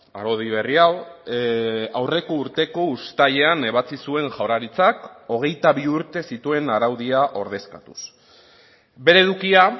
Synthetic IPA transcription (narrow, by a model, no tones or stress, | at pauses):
aɾo̞ðiβe̞riaw | awre̞ko̞uɾt̪e̞ko̞ust̪aʎe̞ane̞β̞at͡sisue̞ŋʝawɾaɾit͡sako̞ɣ̞e̞jt̪aβiuɾt̪e̞sit̪ue̞naɾawðiaʔo̞ɾð̞e̞skat̪us | be̞ɾe̞ðukia